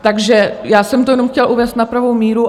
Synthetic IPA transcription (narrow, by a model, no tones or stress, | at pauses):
t̪aɡʒɛjaːsɛmt̪ojɛnomxcɛlʔuvɛːst̪napɾavowmiːɾu